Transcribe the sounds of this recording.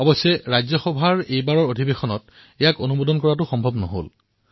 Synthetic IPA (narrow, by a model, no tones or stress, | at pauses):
ɔbɔsːɛɹajzɔxɔbʱaɹejbaɹɔɹodʱibexɔnɔt | ɛjakonubodɔnkɔɹat̬ʊxɔmbʱɔbnɔɦo̰l